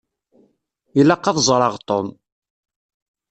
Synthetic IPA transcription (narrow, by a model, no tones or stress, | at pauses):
ilɑqːɑðzˤɾˤɑʁt̪ˤon